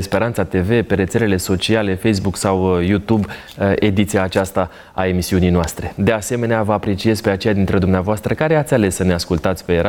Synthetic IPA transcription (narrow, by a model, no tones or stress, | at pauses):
spe̞ɾant̪sat̪e̞ve̞pe̞ɾe̞t̪sele̞le̞so̞t͡ʃiale̞fe̞js̬buksawjut̪ub | e̞d̪it̪sijaːt͡ʃast̪a | a̰e̞misiunijnoast̪ɾe̞d̪e̞ase̞me̞neavəapɾe̞t͡ʃie̞zpe̞at͡ʃe̞jad̪int̪ɾed̪umneavoast̪ɾəkaɾe̞at̪sʲale̞sːəneaskult̪at̪sʲpe̞ɾa